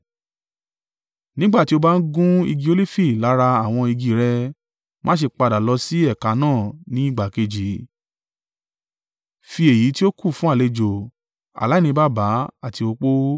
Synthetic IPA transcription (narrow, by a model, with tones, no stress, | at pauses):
nĩ˦ɡ͡ba˦˨ti˦o˧ba˦n̩˦ɡũ˦i˧ɡi˧o˧˦li˦fi˦˨la˨˦ɾa˧a˨w̃ɔ̃˧i˧ɡi˨ɾɛ˧ | mãː˦ʃ̬e˧˨k͡pa˧da˨lɔ˧˦si˦ɛ˦˨ka˨˦nãː˦˨nĩ˨˦i˦˨ɡ͡ba˨ke˧d͡ʒi˨ | fi˧e˨ji˨˦ti˦o˦ku˦˨fũ˦a˦˨le˧d͡ʒo˨ | a̰˨la˨˦˨nĩ˧ba˦˨ba˨˦a˦˨ti˧o˧k͡po˦